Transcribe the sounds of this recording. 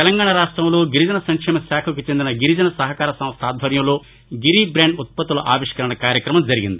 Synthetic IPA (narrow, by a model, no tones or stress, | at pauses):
t̪ɛlɐŋɡaːɳɐɾaːʂʈɾɐmlo̞ːɡiɾid͡ʒɐnɐsɐŋkʂɛːmɐsaːkʰɐkut͡ʃend̪inɐɡiɾid͡ʒɐnɐsɐɦɐkaːɾɐsɐ̃mst̪ʰaːd̪ʱbɐɾjɐmlo̞ː | ɡiɾibɾeːɳɖut̪̚pɐt̪ːulɐʔa̰ːʋiʂkɐɾɐɳɐkaːɾjɐkɾɐmɐmd͡ʒɐɾiɡḭnd̪i